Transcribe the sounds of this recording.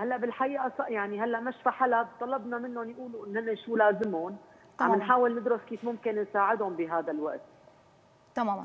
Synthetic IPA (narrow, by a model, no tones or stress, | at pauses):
halːaʔbɪlħaʔiːʔasɑʔjaʕniɦalːaʔmaʃfaħalabt̪ˤɑlɑbnɑmɪnːonjʔuːluʔɪnːhɪnːaʃuːlaːzɪmʊn | aɪnħaːwɪlnɪd̪ɾʊskiːfmʊmkɪnnsaːʕɪd̪hʊmbiɦaːd̪alwaʔt̪̚